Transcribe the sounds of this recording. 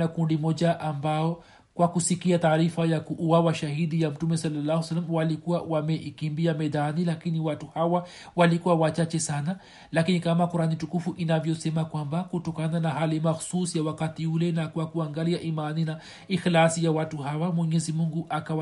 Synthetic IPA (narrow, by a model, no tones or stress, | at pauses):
akundimɔʄaʔambaɔ | kwakusikiataːɾifajakuʔːwawaʃahiɗijam̩tumɛsɔlːalːahwsalːamwalikuwawamɛʔikimbiamɛðanilakiniwatuhawa | walikuwawat͡ʃat͡ʃɛsana | lakinikamakuɾanitukufuʔinavjɔsɛmakwambakutɔkananaɦalimaxu̥susijawakatiulɛnakwakuaŋɡaliaʔimanina | ixlasijawatuɦawamwɛɲɛzimuŋɡuʔakaw